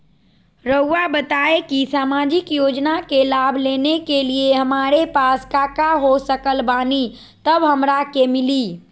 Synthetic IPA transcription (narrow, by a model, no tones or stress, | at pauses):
ɾəuːabət̪aekisaːmad͡ʒɪkjod͡ʒnakelabʱlenekelieɦəmaɾepaskakaɦosəkəlbani | t̪əbɦəmɾakemɪli